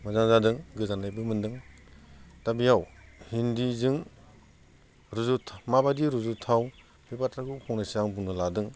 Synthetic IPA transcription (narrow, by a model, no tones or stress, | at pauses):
mɯzaŋzadɯŋɡɯzanlajbɯmɯndɯŋ | tabijawhindizɯŋ | ɾuzutʰmabadiɾuzutʰaw | bipatɾakupʰɔŋnɯsaŋbuŋnɯladɯŋ